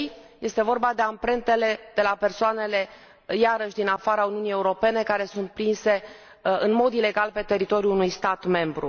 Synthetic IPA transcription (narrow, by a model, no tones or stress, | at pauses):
je̞st̪e̞vo̞rbad̪e̞ampɾe̞nt̪e̞le̞d̪̥e̞lape̞rsoane̞le̞ | jaɾəʃʲd̪inafaɾauniunije̞uɾo̞pe̞ne̞kaɾe̞sunt̪̚pɾinse̞ | ɨnmo̞d̪ile̞ɡalpe̞t̪e̞ɾit̪o̞ɾiuunujst̪at̪me̞mbɾu